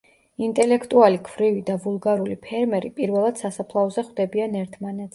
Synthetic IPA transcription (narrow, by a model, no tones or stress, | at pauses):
int̪ʼɛlɛkʰt̪ʼualikʰvɾivid̪avulˠɡaɾulipʰɛɾmɛɾipʼiɾvɛlˠad̪̥sasapʰlˠaɔzɛχwvd̪ɛbianɛɾt̪ʰmanɛt̪s